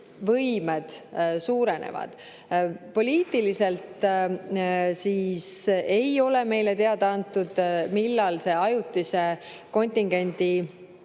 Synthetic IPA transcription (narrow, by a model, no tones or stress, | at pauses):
vɤjmed̪̥suːɾe̞nʔḛvɑ̰d̪̥ | po̞lʲiːt̪ːˑilise̞lt̪ | siːse̞jo̞le̞me̞jle̞t̪e̞ɑd̪̥ɑɑnt̪ːˑud̪̥milːɑlse̞ɑjut̪ˑːise̞ | ko̞nʲt̪ʲiŋɡ̥e̞nʲd̪i